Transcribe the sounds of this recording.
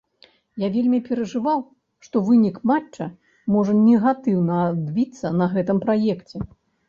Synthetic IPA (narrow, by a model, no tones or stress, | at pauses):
javʲelʲmʲipʲɛɾɐʐɨvaw | ʂt̪ɔvɨnʲikmat͡ʂt͡ʂɐ | mɔʐɐnʲɛɣat̪ɨwnɐːd̪bʲit̪sːɐnɐɣɛt̪ɨmpɾajɛkt͡sʲɛ